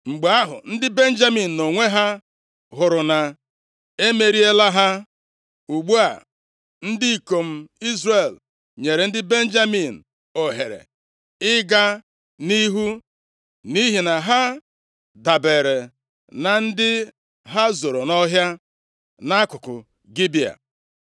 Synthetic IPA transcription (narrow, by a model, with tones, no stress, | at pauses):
ŋ͡m̩˨ɡ͡ba˦ɦʊ̰˨n̩˦dɪ˦be˦n̩˦d͡ʒa˦mi˨n̩˨no˨ŋʷe˦ɦa˦ | ɦʊ˨ɾʊ˨na˨ | e˦me˨ɾi˦e˦la˦ɦa˦ | u˨ɡ͡bu˦a˨ | n̩˦di˦i˨ko˨m̩˦i˦zre˨l | ɲe˨ɾe˨n̩˦dɪ˦be˦n̩˦d͡ʒa˦mi˨n̩˨ | o˨ɦe˨ɾḛ˨ | ɪ˦ɡa˦ | ni˦ɦu˦ | ni˦ɦi˨na˨ɦa˦ | da˨be˨ɾe˨ | na˨n̩˦dɪ˦ | ɦa˦zo˨ɾo˨nɔ˦ɦja˦ | na˦a˦kʊ˨kʊ̰˨ | ɡi˦bi˨a̰˨